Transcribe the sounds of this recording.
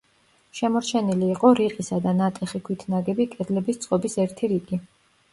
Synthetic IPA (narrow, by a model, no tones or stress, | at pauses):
ʃɛmɔɾt͡ʃʰɛniliːqʼɔɾiqʼisad̪anat̪ʼɛχikʰwit̪ʰnaɡɛbikʼɛd̪lɛbist̪sʼqʼɔbisɛɾt̪ʰiɾiɡi